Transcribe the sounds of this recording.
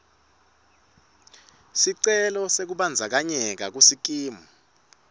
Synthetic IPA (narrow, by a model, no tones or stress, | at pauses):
siǀɛlɔsek̬uɓand͡zʱak̬aɲɛk̬ak̬usik̬ʼiːmu